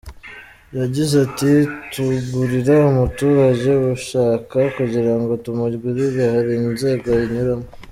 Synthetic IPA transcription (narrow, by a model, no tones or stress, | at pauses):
jaɟizatituɡuɾiɾaumutuːɾazewuʃaːkakuɟiɾaŋɡo̞tumuɾɡwiɾiβehaɾinze̞ːɡo̞iɲuɾamo